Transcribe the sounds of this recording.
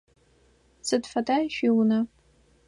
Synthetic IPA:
sɨdfataʃᶣiwna

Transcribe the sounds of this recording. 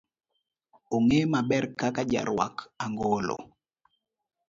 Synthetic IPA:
oŋemabɛɾkakad͡ʒa̰ɾwa̰kaŋɡɔlɔ̰

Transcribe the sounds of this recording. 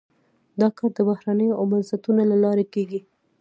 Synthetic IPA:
d̪ɑkɑɾd̪əbahɾanəjoʔawmanzat̪unalalɑɾekeɡi

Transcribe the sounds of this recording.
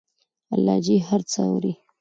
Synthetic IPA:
a̰lɑd͡ʒihaɾt͡səa̰wɾi

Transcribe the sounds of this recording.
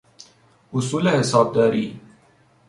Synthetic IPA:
ʊsuːlehɪsɑːb̚d̪aːɾiː

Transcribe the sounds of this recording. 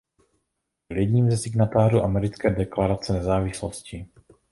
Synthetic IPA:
ljɛɟɲiːmzɛsɪɡnat̪aːruːʔamɛɾɪt͡skɛːdɛklaɾat͡sɛnɛzaːvɪsloscɪ

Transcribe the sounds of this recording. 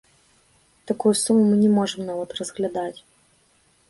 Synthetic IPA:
t̪ɐkujusumʊmɨnʲɛmɔʐɨmnavɐt̪rəzɣlʲad̪atʲ

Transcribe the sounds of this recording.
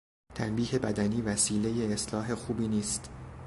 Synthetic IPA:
t̪ʰænbiːhe̞bæd̪æniːvæsiːle̞jeːslɒːɦe̞xuːbiːniːst̪

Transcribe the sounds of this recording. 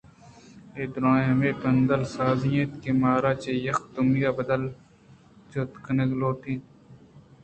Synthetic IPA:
eːd̪ɾãːjɐmeːpɐnd̪ɐlsaːzijẽt̪kemaːɾaːt͡ʃeːjɐxt̪umijaːbɐd̪ɐl | t͡ʃoːt̪kɐnɐɡloːʈ̪ĩː

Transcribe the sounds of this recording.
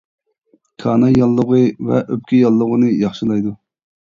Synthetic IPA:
kʰɑːnɑjɑlˠːəʁɨvɛ̰ʔøp̚kʲʰɪjɑlˠːəʁənɨjɑχʃɨlˠɑjd̪u

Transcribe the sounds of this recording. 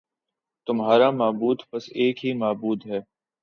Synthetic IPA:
t̪ʊmɦaːɾamaːbuːd̪pɐseːkɦimaːbuːd̪ɦɛː

